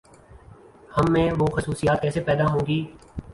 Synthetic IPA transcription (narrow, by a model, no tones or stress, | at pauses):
həmːẽːʋoxʊsuːsijaːt̪̚kɛːsepɛːd̪aɦõːŋɡiː